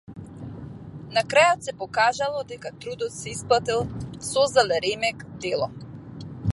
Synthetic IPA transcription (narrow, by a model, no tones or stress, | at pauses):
nakɾajɔt̪sɛpɔkaʒalˠɔd̪ɛkat̪ɾud̪ɔt̪sɛisplˠat̪ilˠsɔzd̪alɛɾɛmɛkd̪ɛlˠɔ